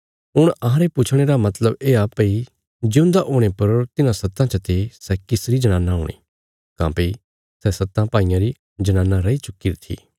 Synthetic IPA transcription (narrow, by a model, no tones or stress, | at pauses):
ɦʊɽ̃ɐɦãɾepʊt͡ʃʰɽ̃eɾamɐt̪ləbeːapɐi | d͡ʒeʊ̃nd̪aʔoːɽ̃epɐɾt̪ɪnãsɐt̪ːãt͡ʃɐt̪esɛkɪsɾid͡ʒɐñãːnːaɦo̰ːɽ̃ḭː | kã̰ːpei | sɛsɐt̪ːãpaːɪjãɾi | d͡ʒɐñãːnːaɾɐit͡ʃʊkːiɾt̪ʰḭː